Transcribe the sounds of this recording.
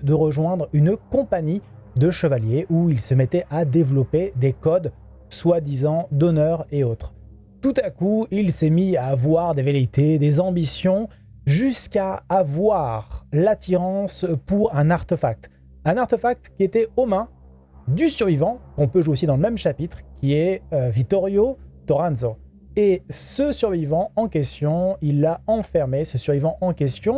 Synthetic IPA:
d̪əʁəʒwɛ̃d̪ʁynkɔ̃paɲi | d̪əʃəvaljeʔuilsəmɛt̪ɛʔad̪evlɔped̪ekɔd̪ | swad̪izɑ̃d̪ɔnœʁeot̪χ | t̪ut̪akuilsɛmiavwaʁd̪evelit̪ed̪ezɑ̃bisjɔ̃ | ʒyskaːvwaʁlat̪iʁɑ̃spuʁɛ̃naʁt̪efak̚t̪ | ɛ̃naʁt̪efak̚t̪kʲiet̪ɛɔmɛ̃ | d̪ysyʁvivɑ̃kɔ̃pøʒweosid̪ɑ̃ləmɛmʃapit̪χkʲiɛøvik̚t̪ɔʁjot̪ɔʁãnzo | esəsyʁvivɑ̃ɑ̃kʲɛst̪jɔ̃ilːaɑ̃fɛʁmesəsyʁvivɑ̃ʔɑ̃kʲɛst̪jɔ̃

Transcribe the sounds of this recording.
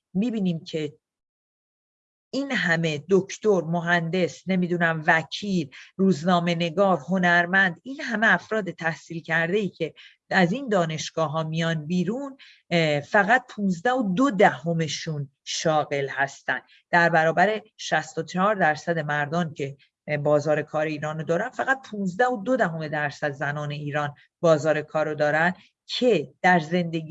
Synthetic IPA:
miːbiːniːmcʰe̞ | inɦæme̞d̪ocʰt̪oɾmo̞ɦænd̪e̞sne̞mid̪unæmvæcʰiːlruːznɒːme̞ne̞ɡɒːɾho̞næɾmænd̪inhæme̞æfɾɒːd̪e̞t̪ʰæhsiːlcʰæɾd̪e̞iːcʰe̞ | æzind̪ɒːne̞ʃɡ̥ɒːɦɒːmijɒnbiːɾun | fæɣæt̪̚pʰũːnzd̪æhod̪od̪æɦo̞me̞ʃun | ʃɒːɣe̞lhæst̪æ̰nd̪̥ | d̪æɾbæɾɒːbæɾe̞ʃæst̪o̞t͡ʃʰehɒːɾd̪æɾsæd̪e̞mæɾd̪ɒːncʰe̞ | bɒːzɒːɾe̞kʰɒːɾe̞iːɾɒːnod̪ɒːɾænfæɣæt̪̚pʰuːnzd̪æhod̪o̞d̪æɦo̞me̞d̪æɾsæd̪zænɒːne̞iːɾɒːn | bɒːzɒːɾe̞kʰɒːɾod̪ɒːɾæn | cʰe̞d̪̥æɾze̞nd̪eɡi

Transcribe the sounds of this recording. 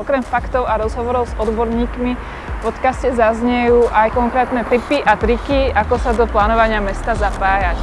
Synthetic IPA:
ɔkɾɛmfakt̪ɔʊaɾɔzɦɔʋɔɾɔʊzɔd̪bɔɾɲiːkmi | pɔt̪kascɛzazɲɛjuːʔajkɔŋkɾɛːt̪nɛt̪ipiʔat̪ɾikiakɔsad̪ɔplaːnɔʋaɲɪamɛst̪azapaːjac

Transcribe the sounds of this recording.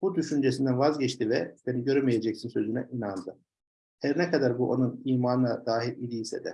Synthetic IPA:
b̥ud̪yʃynd͡ʒes̬ind̪ænvazɟɛt͡ʃt̪ivɛbeniɟø̞ɾemijed͡ʒɛcsinsø̞zynɛʔinand̪ɯ | hɛɾnɛkʰad̪aɾbuʔo̞nuniːmaːnɯnad̪aːɦiɾid̪iːsɛd̪ɛ̰

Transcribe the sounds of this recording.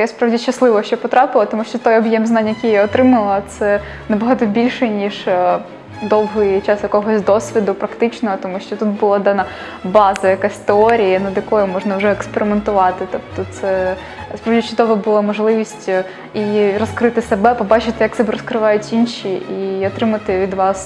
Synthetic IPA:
jaspɾɑaʋdʲiʃɐslˠɪʋɔʃt͡ʃɔpɔt̪ɾɑpɪlˠɐt̪ɔmuʃt͡ʃɔt̪ɔjɔbjɛmznɑnʲjɐkʲijaɔt̪ɾɪmɐlˠɐt̪sɛ | nɐbɔɦɑt̪ɔbʲilʲʃɛnʲiʐ | d̪ɔwɦɪjt͡ʃɑsjɐkɔɦɔsʲd̪ɔsʲʋʲid̪ʊpɾɐkt̪ɪt͡ʃnɔɦɔt̪ɔmuʃt͡ʃɔt̪ut̪̚bʊlˠɑd̪ɑnɐ | bɑzɐjɐkasʲt̪ɪɔɾʲijɐnɐd̪jɐkɔjʊmɔʒnɐwʒɛɛkspeɾʲɪment̪ʊʋɑt̪ɪt̪ɔpt̪ɔt̪sɛ | spɾɔwdʲit͡ʃʊd̪ɔʋɐbʊlˠamɔʒlˠɪʋʲisʲtʲ | iɾɔskɾɪt̪ɪsebɛpɔbɑt͡ʃɪt̪ɪjɐksɛbɛɾɔskɾɪʋɑjʊtʲinʃʲiiɔt̪ɾɪmɐt̪ɪʋʲid̪ʋɑs

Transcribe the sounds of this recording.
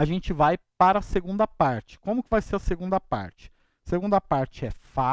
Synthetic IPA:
aʒẽnt͡ʃɪvajpaɾɐseɡũnd̪ɐpaɾt͡ʃɪ̥kõmʊkɪvajseɾɐseɡũnd̪ɐpa̰ɾt͡ʃɪ̥ | seɡũnd̪ɐpaɾt͡ʃɪɛfa

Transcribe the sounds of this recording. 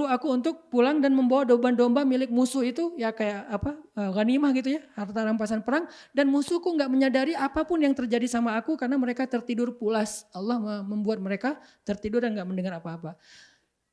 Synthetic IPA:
uakuunt̪ʊk̚pulaŋdanməmbawadobandombamilɪk̚musʊhit̪ujakajaʔapaəɣanimahɡit̪ujahart̪aɾampasanpəɾaŋ | danmusuhkuŋɡaʔməɲadaɾiapapʊnjaŋt̪ərd͡ʒadisamaːkukarənaməɾekat̪ərt̪idʊrpulasalːɑhəməmbuat̪̚məɾekat̪ərt̪idʊrdanŋɡaʔməndəŋaɾapaːpa

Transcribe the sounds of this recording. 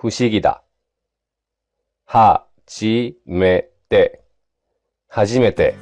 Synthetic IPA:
ɸɯ̟ɕiɡʲid̪a̰ | ha | t͡ɕime | t̪e | haʑime̞t̪e̞̰

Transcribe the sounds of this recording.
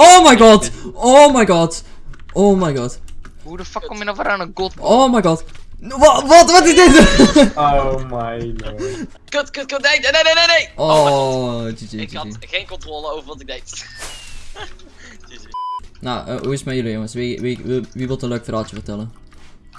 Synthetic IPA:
owmajɡɑtomajɡɑt | ʔoːmajɡɔt | hudəfakːɔmjənɔχvəɾanəɡotowmajɡɑtʋʋɔtʋɔtɪzdɪtomajɡ | køkəkəejnenenenejʔo | d͡ʒid͡ʒid͡ʒiiɣeːnkɔntroːlˠəowvərʋɑtɪɡ̚dejt | na̰ə̰ɦuɪsmɛjʏlˠijoŋəsʋiʋiʋiʋɪlˠtənløːkfraːt͡ʃəfərtɛlˠən

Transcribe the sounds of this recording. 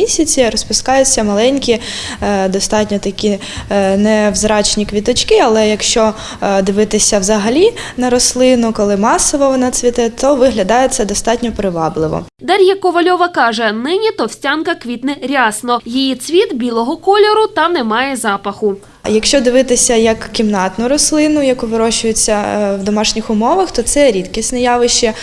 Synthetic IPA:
isʲɐt͡sʲiɾɔspʊskɑjʊt͡sʲːɐmɐlˠɛnʲkʲi | d̪ɔst̪ɑtʲnʲɔt̪ɐkʲi | nɛwzɾɑt͡ʃnʲikʋʲit̪ɔt͡ʃkɪɐlˠɛjɐkʃt͡ʃɔ | d̪ɪʋɪt̪ɪsʲɐwzɐɦɐlʲinɐɾɔslˠɪnʊkɔlˠɪmɑsɔʋɔʋɔnɐt͡sʲʋʲit̪ɛt̪ɔʋɪɦlʲɐd̪ɑjɛsʲɛd̪ɔst̪ɑtʲnʲɔpɾɪʋɑblˠɪʋɔ̰ | d̪ɐɾʲjɐkɔʋɐlʲɔʋɐkɑʒɛnɪnʲit̪ɔwsʲtʲankɐkʋʲit̪nɪɾʲasnɔjijit͡sʲʋʲit̪bʲilˠɔɦɔkɔlʲɔɾʊt̪ɑnɛmɑjɛzɑpɐxʊ | jɐkʃt͡ʃɔd̪ɪʋɪt̪ɪsʲɐjɐkkʲːimnɑt̪nʊɾɔslˠɪnʊjɐkuʋɪɾɔʃʊjɪt͡sʲːɐwd̪ɔmɑʃnʲixʊmɔʋɐxt̪ɔt̪sɛɾʲit̪kʲisʲnɛjɑʋɪʃt͡ʃi

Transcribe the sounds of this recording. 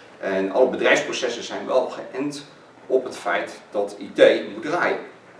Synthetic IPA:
ʔɛnɑ̰ləbədrɛjfsprosɛsəz̥ɛjnʋɛlˠχəʔɪnt | ɔpɦətfɛjtd̥ɑtidejmudraːjən

